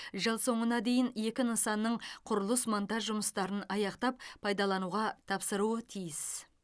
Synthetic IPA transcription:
ʒəlˠso̞ɴənɑd̪e̞jɪne̞kʲɪnəsɑnːəɴqʰʊɾəlˠəsmont̪ɑʒʒʊməst̪ɑɾənɑjɑqt̪ɑp̚pʰɑjd̪ɑlˠɑnuʁɑt̪ʰɑpsəɾuət̪ʰijɪs

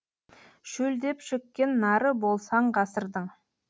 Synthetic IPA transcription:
ʃɵld̪e̞pʃʏkʲːe̞nːɑɾəbo̞lˠsɑɴqɑsəɾd̪əɴ

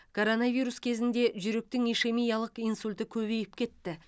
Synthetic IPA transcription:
kʰo̞ɾo̞navijɾuskʲʰe̞zɪnd̪e̞ʒʏɾe̞k̚t̪ɪŋijʃe̞mijɑlˠəqijnsulʲt̪ɪkʲʰɵβe̞jɪp̚kʲʰe̞t̪ːɪ

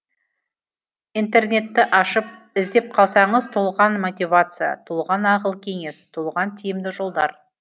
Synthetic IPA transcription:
int̪e̞rne̞t̪ːɪʔɑʃəp̚ | ɪzd̪e̞p̚qʰɑlˠsɑɴəzt̪ʰolˠʁɑnmo̞t̪ʲijvat̪sɨja̰t̪ʰolˠʁɑnɑqəlˠkʲʰe̞ŋe̞st̪ʰolˠʁɑnt̪ʰijɪmd̪ɪʒo̞lˠd̪ɑɾ

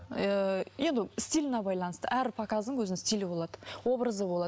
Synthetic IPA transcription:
je̞nd̪ɪst̪ʲijlʲɪnɑbɑjlˠɑnəst̪ə̰ʔæɾpʰɑkazd̪əŋwʰɵzɪnst̪ʲilɪbo̞lˠɑd̪əwo̞bɾəzəbolˠɑ

